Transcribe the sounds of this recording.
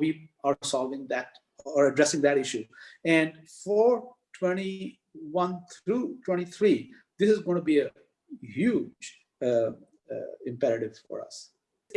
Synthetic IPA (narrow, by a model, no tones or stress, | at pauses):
ʋiaɾsɔːlʋɪ̃ŋd̪æʈ | ɔɾəɖɾɛsɪ̃ŋd̪æʈɪʃuɛ̃ɳɖ | fɔɾ | ʈʰwɛ̃ñi | ʋʌ̃nt̪ʰɾuːʈʰwɛ̃ñit̪ʰɾiː | d̪ɪsɪzɡõɪ̃nʈubiə | hjuːd͡ʒ | ɪ̃mpɛɾəʈɪʋfɔ̰ɾʌ̰s